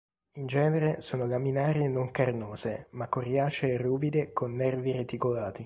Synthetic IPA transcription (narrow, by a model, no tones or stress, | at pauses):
ind͡ʒɛːneɾesoːnolaminaːɾjenoŋkarnoːzemakːorjaːt͡ʃeruːbid̪ekonːɛrviret̪ikolaːt̪i